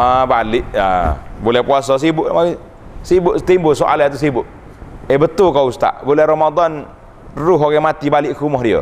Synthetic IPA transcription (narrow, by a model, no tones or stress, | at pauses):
abalɪʔja̰bolɛhpuasɔs̬ibʊʔmai | sibʊʔt̪imbʊsoʔa̰lat̪usibʊʔ | ebət̪ʊlkaust̪a̰ʔbolɛhɾɔmad̪ɔn | rʊɦokɛmat̪ibalɪʔkumɔɦdiə̰